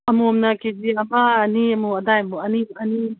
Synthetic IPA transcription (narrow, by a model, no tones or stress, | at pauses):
ɐmomnɐked͡ʒiabaːniɐmuɐdajmuɐniɐni